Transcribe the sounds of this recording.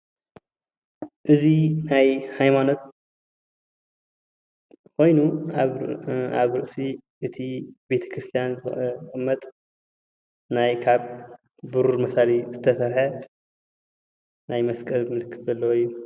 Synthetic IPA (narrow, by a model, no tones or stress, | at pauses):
ʔɨzinajhajmano̞t̪̚ | kʰo̞jnu | aβɾɨʔsiʔɨt̪ʰibe̞t̪ʰɐ̥kʰɾɨst̪ʰijanzɨkʼɨmːɐt̪ʼ | najkʰaβ | bɨɾuɾmɐsalizɨt̪ʰɐsɐɾħɐ | najmɐskʼɐlmɨlɨkʰːɨt̪ʼzɐlːɐwjːu